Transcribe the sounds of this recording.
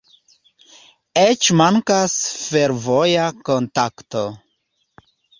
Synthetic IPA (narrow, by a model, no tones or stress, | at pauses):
et͡ʃmaŋkasfe̞ɾvo̞jako̞ntakto